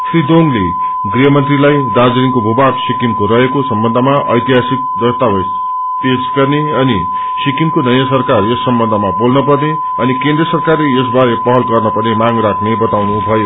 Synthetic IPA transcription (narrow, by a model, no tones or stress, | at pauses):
sʰrid̪onle | ɡriɦʌmʌnt̪rilajd̪ad͡zɾiŋkobʱubaksikimkoɾʌɦekosʌmbʌnd̪ʱʌmaʔʌ̰jt̪iɦasik̪̚d̪ʌst̪abʌs | p̪esɡʌrne | ʌni | sikimkonʌjãsʌrkaresːʌmbʌnd̪ʱʌmabolnʌpʌrne | ʌnikẽnd̪resʌrkarlees̬baɾepʌɦʌlɡʌrnʌpʌnemaŋrakʰnebʌt̪awnubʱʌjo